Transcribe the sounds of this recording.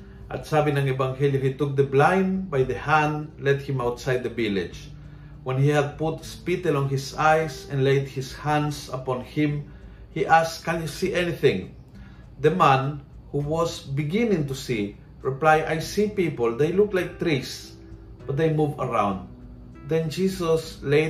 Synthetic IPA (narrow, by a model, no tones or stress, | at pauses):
ʔa̰t̪savɪ̃ŋãŋɛvãŋhɛljuhit̪ʊk̚d̪əblãj̃nbajðəhæ̃ndlɛt̪̚hɪ̃mawt̪sajd̪̚dəvɪlɪd͡ʒ | wɛ̃nhihad̪̚pʊt̪spit̪ɛlɔ̃nhɪsajsɛ̃nlejd̪̚hɪshæ̃ndsapɔ̃nhɪ̃m | hiʔaskãnjusiʔɛniθɪ̃ŋ | d̪əmãn | huwɔsbɪɡɪ̃nɪ̃ŋt̪usi | ɹɪplajʔajsipipəld̪ejlʊklajk̚t̪ɹis | b̥ʌt̪̚d̪ejmuvəɹãw̃nd̪ | d̪ɛ̃nd͡ʒisɔsle